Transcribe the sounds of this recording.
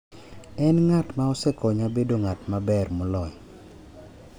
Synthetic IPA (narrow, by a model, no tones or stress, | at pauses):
ɛnŋatmaɔsɛkɔɲabedoŋatmabɛrmʊlɔj